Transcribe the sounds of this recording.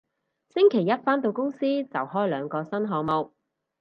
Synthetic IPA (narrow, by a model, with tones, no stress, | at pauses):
sɪ˥ŋkʰe˨˩jɐ˥t̚faː˥nt̪o˧wkʊ˥ŋsiː˥t͡sɐ̰˨whɔː˥jlœː˨˧ŋkɔː˧sɐ˥nɦɔː˧ŋmo˨w